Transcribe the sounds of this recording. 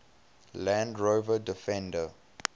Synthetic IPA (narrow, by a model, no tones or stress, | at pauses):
lãndɹovədɪfɛ̃ndə